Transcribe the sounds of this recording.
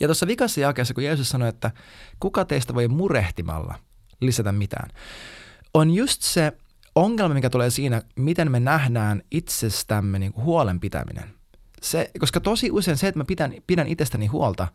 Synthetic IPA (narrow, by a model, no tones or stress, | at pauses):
jɑt̪osːɑʋikɑsːɑjɑkeːsːɑkujeːsussɑnoet̪ːækukɑt̪eist̪æʋojmureht̪imɑ̰lːɑ̰ | lisæt̪æmmit̪æ̰ːn | onjust̪se | oŋːelmɑmikæt̪uleːsiːnæmit̪enmenæhdæːnit̪sest̪æmːeniːŋkuhuolempit̪æ̰mḭnḛn | sekoskɑt̪osiʔuseinset̪mæpit̪ænpiɾænʔit̪est̪æniɦuolt̪ɑ